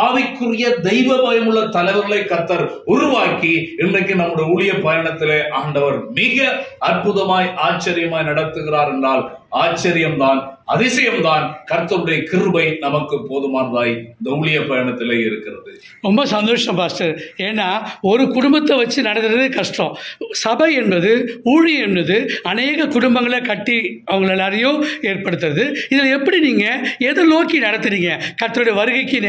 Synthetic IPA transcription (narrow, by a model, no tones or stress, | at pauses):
ɐʋɐɪkːɯrɪjɐd̪ɛɪʋɐʋɐːjɪmɯɭːɐt̪ɐlɐɪʋɐɾɪlɐɪkːɐɾt̪ːɐɾ | ʊɾʊʋaːkiɪndrɐɪkːɯnɐmːɯɽɐjɐʊɭɪjɐpːɐjɐɳɐt̪ːɪleːʔaːɳɖɐʋɐɾmɪɣɐɐrpʊðɐmaːjʔaːt͡ʃːɐɾɪjɐmaːjnɐɽɐt̪ːɯɣɪraːɾɛndraːl | aːt͡ʃːɐɾɪjɐmt̪aːnɐðɪsɐjɐmd̪aːnkɐɾt̪ːɐɾɯɽɐjɐkɪɾɯbɐɪnɐmɐkːɯpːoːðɯmaːnraːjɪnd̪ɐʊɻɪjɐpɐjɳɐt̪ːɪleːɪɾɯkːɪrɐðɯ | ɾɔmbɐsɐnd̪oːʂɐ̃mpaːsʈɐɾeːnːaːɔɾɯkʊɽʊmbɐt̪ːɐʋɐt͡ʃːɯnɐɽɐt̪ːɪɾɐðɯkɐʂʈɔ̃sɐbɐɛnbɐðɯuːɻɪjɐɛnbɐðɯɐneːɣɐkʊɽʊmbɐŋɡɐɭɐkɐʈːiɐʋɐŋɡɐɭɛlːaːɾɐjʊ̃eːrpɐɽɯt̪ːɯɾɐðɯɪðɪlɛpːɐɽiniːŋɡɐɛðɐloːkinɐɽɐt̪ːɯɾiːŋɡɐkɐɾt̪ːɐɾɯɽɐjɐʋɐɾɯɣɐɪkːɯn